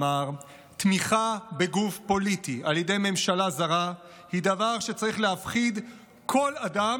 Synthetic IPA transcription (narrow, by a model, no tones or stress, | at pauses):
aʁ | t̪miχabeɡufpo̞litialjede̞jme̞mʃalazaʁa | hid̪avaʁʃe̞t͡saʁiχleafχid | kʰo̞lada